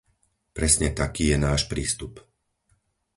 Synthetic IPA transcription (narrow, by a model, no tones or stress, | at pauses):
pɾɛsɲɛt̪akiːjɛnaːʃpɾiːst̪up